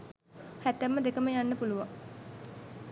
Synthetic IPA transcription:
hæt̪ːæmːəd̪ekəməjanːəpuluʋaŋ

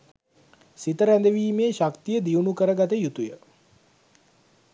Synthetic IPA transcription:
sit̪əɾænd̪əʋiːmeːɕakt̪ijəd̪iunukəɾəɡat̪əjut̪ujə

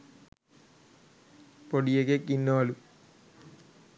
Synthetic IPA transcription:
poɽijeɡekːinːoːlu

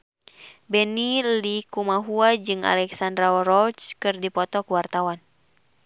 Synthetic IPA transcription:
bɛnilikumaɦuad͡ʒɨŋa̰lɛksandɾarɔt͡ʃkɨrdipɔt̪ɔkuwart̪awan

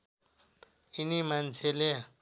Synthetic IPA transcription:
inimant͡sʰeleɦa

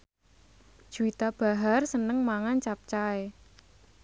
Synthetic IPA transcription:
ʒ̥uit̪ab̥a̤ɦarsənəŋmaŋant͡ʃap̚t͡ʃae

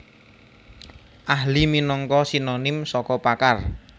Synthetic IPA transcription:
ʔaɦliminɔŋkɔsinonɪmsɔkɔpakar

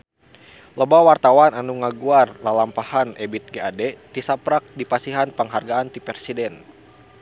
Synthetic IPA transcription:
ləbawart̪awananuŋaɡuarlalampahanɛbit̪̚ɡeadɛt̪isapɾak̚dipasiɦanpəŋɦarɡaant̪ipɛrsidɛn

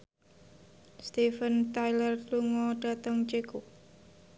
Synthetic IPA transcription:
st̪ifənt̪ajlərtluŋɔɖ̥a̤t̪əŋt͡ʃeku

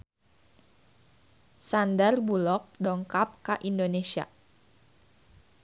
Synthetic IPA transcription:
sandarbulɔk̚dɔŋkap̚kaʔindonesia̰

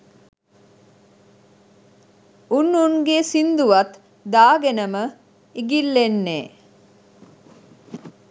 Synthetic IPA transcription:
unːunɡesind̪uʋɐt̪ | d̪aːɡenəmə | iɡilːenːḛː

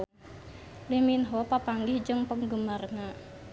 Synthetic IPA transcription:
liminɦɔpapaŋɡihd͡ʒəŋpəŋɡumarna

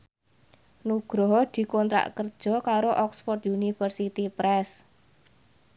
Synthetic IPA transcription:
nuɡ̥ɾɔɦd̪̥i̤kɔnt̪ɾa̰ʔkərd̥ʒ̥ɔ̤kaɾoʔɔksfɔrt̪junifərsit̪ipɾɛs

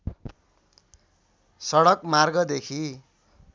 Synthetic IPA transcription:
sʌɽʌkmarɡʌd̪ekʰi

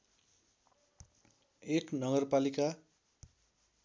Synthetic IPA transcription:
eknʌɡʌrpalika

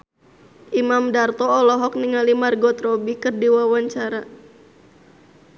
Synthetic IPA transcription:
ʔimamdart̪ɔːlɔɦɔk̚niŋalimarɡɔt̪rɔbikɨrdiwawaɲt͡ʃaɾa

